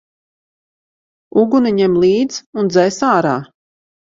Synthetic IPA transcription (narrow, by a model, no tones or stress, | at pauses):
uɡuniɲɛmlˠiːd̪zund̪zɛjsaːɾaː